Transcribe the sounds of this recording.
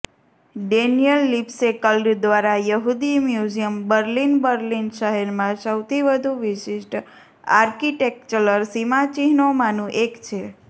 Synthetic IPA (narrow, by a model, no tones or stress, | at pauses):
ɖenijəlːipsekəlɖd̪ʋaɾajəɦud̪imjud͡ʒijəmbəɾlinbəɾlinʃəɦɛɾmãsəwt̪ʰiʋəd̪ʱũʋiʃiʃʈ | aɾkiʈek̚t͡ʃələɾsimat͡ʃiɦnomanũʔekt͡ʃʰe